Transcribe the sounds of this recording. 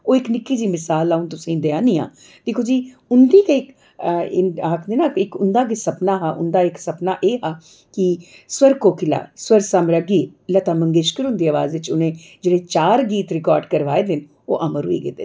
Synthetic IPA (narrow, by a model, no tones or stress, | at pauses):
oːɪknɪkːiːd͡ʒiːmɪsaːlaːunt̪ʊsĩːd̪eãːniːa̰ː | d̪eːkʰoːd͡ʒiː | ʊnd̪iːkaɪk | ɪaːkʰd̪eːnakɪkʊnd̪aːɡɪsəpnaːɦaːʔʊ̰nd̪aːɪksəpnaːʔeːɦaː | kɪ | swəɾkoːkɪla̰ːswəɾsaːmɾəɡiːlət̪aːməŋɡeʃkəɾʊnd̪iːaːʋaːzʋɪt͡ʃʊnẽːd͡ʒeːɽẽːt͡ʃaːɾɡiːt̪ɾɪkɔːɾɖkəɾʋaːeːd̪ɪn | o̰ːʔəməɾʊ̰ːḭːɡḛːd̪e